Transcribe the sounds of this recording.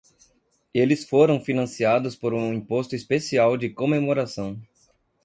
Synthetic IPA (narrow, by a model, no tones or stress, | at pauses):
elɪsfoɾɐ̃w̃finɐ̃siad̪ʊspoɾũĩpost̪ʊispesiawd͡ʒɪkomemoɾasɐ̃w̃